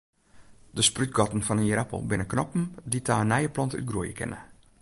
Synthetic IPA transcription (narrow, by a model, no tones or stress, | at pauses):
dəspryt̚ɡɔtn̩fɔnənjəɾapə̰l̩ˠbɪnəknɔpm̩ditʰaːənɛjəplɔnty̰t̚ɡruəjəkɪ̰nə̰